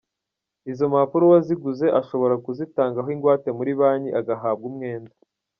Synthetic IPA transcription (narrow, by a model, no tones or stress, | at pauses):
izo̞mapuɾowaziɡuze̞ʔaʃo̞βo̞ɾakuzitaːŋɡaɦoiŋɡwaːte̞muɾiβaːɲiʔaɡaɦaːb̚ɡumŋe̞ːnda